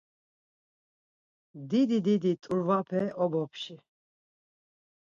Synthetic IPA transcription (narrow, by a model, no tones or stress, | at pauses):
d̪id̪id̪id̪it̪ʼuɾvapʰɛʔɔbɔpʰʃi